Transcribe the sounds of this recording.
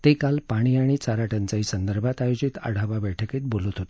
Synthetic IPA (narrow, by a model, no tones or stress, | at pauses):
t̪ekalpaɽ̃iaɽ̃it͡saɾaʈant͡saɦiːsənd̪əɾbʱat̪ajod͡ʑit̪ə̰ɽ̤aʋaʋɛʈʰəkeːt̪̚bolət̪ɦot̪ḁ